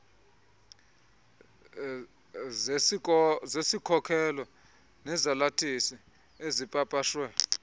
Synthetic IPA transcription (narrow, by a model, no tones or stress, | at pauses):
zesikʰɔkʰɛlɔ | nɛzalatʰʼisi | ezipʼapʼaʃwɛ